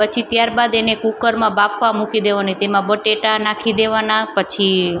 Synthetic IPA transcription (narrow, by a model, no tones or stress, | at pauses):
pət͡ʃʰit̪jaɾbad̪enekukəɾmãbapʋamukid̪eʋanit̪emãbəʈeʈanakʰid̪eʋanapət͡ʃʰi